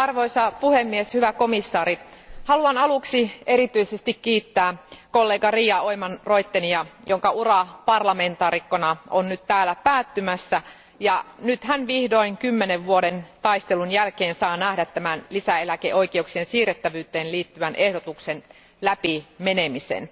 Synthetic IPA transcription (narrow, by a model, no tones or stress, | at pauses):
ɑrʋoisɑpuhemːieshyʋæko̞misːɑːɾihɑluɑnɑluksieɾit̪yisest̪ikkiːt̪ːæːkolːe̞ːɡɑriːɑoimɑnroit̪ːeniɑjoŋkɑurɑpɑrlɑme̞nt̪ɑːrikːonɑonnyt̪t̪æːlːæpæːt̪ːymæsːæ | jɑnyt̪hænʋihdoiŋkymːeneʋʋuoɾent̪ɑist̪elunjælkeːnsɑːnæhdæt̪tæmænlisæelækeʔoikeuksiensiːret̪ːæʋyːt̪eːnliːt̪ːyʋænʔehdot̪uksen | læpimenemisḛn